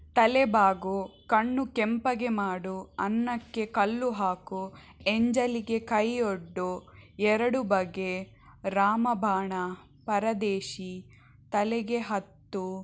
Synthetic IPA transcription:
t̪ɐlɛbaːɡukɐɳːukempɐɡe̞maːɽuɐnːɐkːe̞kɐlːuɦaːku | eɲd͡ʒɐliɡe̞kɐjoɖːuɛɾɐɽubɐɡːe̞ | ɾaːmɐbʱaːɳɐ | pɐɾɐd̪eːʃi | t̪ɐlɛɡe̞ɦɐt̪ːu

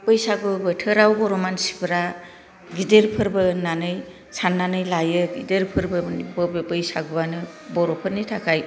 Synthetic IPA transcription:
pɯjsaɡɯbɯtʰɯɾawbɔɾɔmansi̥pʰɾa | ɡideɾpʰɯɾbɯnanɯj | sʰanːanɯjlajɯɡideɾpʰɯɾbɯbɔbebɯjsaɡɯbanɯbɔɾɔpʰɯɾnitʰakʰaj

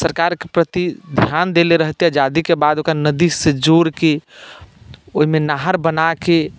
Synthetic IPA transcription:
səɾkaɾkepɾət̪id̪ʱjand̪eleɾəɦt̪iad͡ʒad̪ikebad̪okɾanəd̪ised͡ʒoɾke | oɦimenaɦəɾbənake

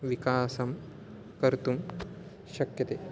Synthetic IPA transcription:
ʋikaːsɐm | kɐɾt̪um | ʃɐkjɐt̪eː

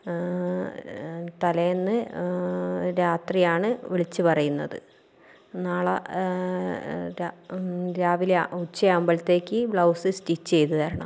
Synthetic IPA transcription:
t̪ɐlɐjenːɨ | ɾaːt̪rijaːɳɨʋiɭit͡ɕːɨpɐrɐjunːɐðɨ̰ | naːɭɐ | ɾaɾaːʋileut͡ɕːɐɐmbɐlt̪ːe̞ːkʲːɨbɭɐwsɨstit͡ɕːt͡ɕe̞jt̪uðɐɾɐɳɐ̰m

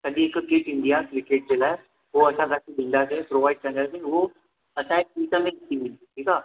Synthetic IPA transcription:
sɐɗiɪkkeːʈɪ̃nd̪iakɾɪkeːʈ̚d͡ʑeːlaːe | ɦoɐsãkakebʱĩːnd̪asepɾoːʋaːɪɖ̚kɐɾə̃nd̪aseʊɦo | ɐsãek̚piːʈəmẽnɪt̪imĩnd̪ʈʰiːkʰaː

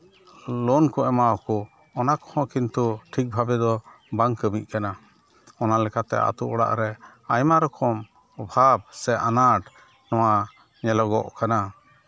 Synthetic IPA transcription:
lɔnkɔɛmaɔkɔ | ɔnakɔ̥hɔ̃kint̪uʈʰik̚bʱabɛd̪ɔ | baŋkəmic̚ˀkana | ɔnalɛkat̪ɛ̰ʔa̰t̪uʔɔɽa̰ʔɾɛ | ajmaɾɔkʰɔm | ɔbʱab̚sɛʔanaʈ | nɔwa | ɲɛlɔɡɔ̰ʔkana

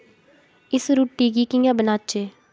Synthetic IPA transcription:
ɪsɾuʈːiːɡiːkɪ̃ŋãːbənaːt͡ʃeː

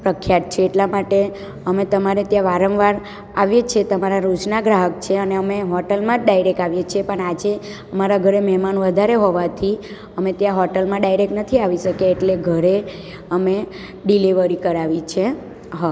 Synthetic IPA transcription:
pɾəkʰːjat̪̚t͡ʃʰeːʈlamaʈe | əmet̪əmaɾet̪jãʋaɾə̃ʋʋaɾ | aʋjet͡ʃʰet̪əmaɾaɾut͡ʃnaɡɾaɦək̚t͡ʃʰeəneəmeɦɔʈəlmãɖajɾek̚aʋjet͡ʃʰepəɳad͡ʒe | əmaɾaɡʱəɾemɛɦmanʋəd̪ʱaɾeɦoʋat̪ʰi | əmet̪jãɦɔʈəlmãɖajɾek̚ʈnət̪ʰiaʋiʃəkeːʈleɡʱəɾe | əme | ɖiliʋəɾikəɾaʋit͡ʃʰe | ɦa

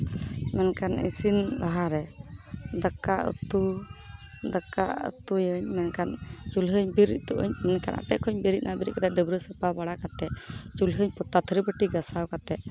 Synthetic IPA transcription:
mɛnkanḭsind̪aɦaɾɛ | d̪akaʔə̰t̪u | d̪aka̰ə̰t̪ujəɲmɛnkant͡ʃulɦəɲbiɾḭt̪uʔə̰ɲmɛnkanʔa̰pɛkʰɔɲbiɾiʔ̪̚nʔabiɾḭʔ̚kat̪ad̪əbɾəsəpabaɽakat̪ɛʔt͡ʃulɦəɲpɔt̪at̪ʰəɾibəʈiɡasawkat̪ɛʔ̚

